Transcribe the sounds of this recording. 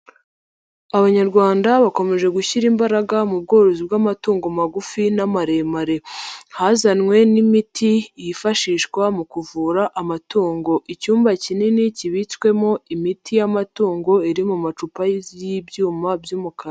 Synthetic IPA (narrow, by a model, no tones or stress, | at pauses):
aβaɲaɾɡwaːndaβako̞me̞ʒe̞ɡuçiɾimbaɾaɡamub̚ɡo̞ːɾozib̚ɡamatuːŋɡo̞maɡufinamaɾe̞maɾe̞hazanŋwe̞nimitʰijifaʃiːʃkwamukuvuːɾaʔamatuːŋɡo̞ʔicuːmbacininiciβit͡swe̞mo̞imitʰijamatuːŋɡo̞iɾimumat͡ʃupajzjibjuːmabjuːmuka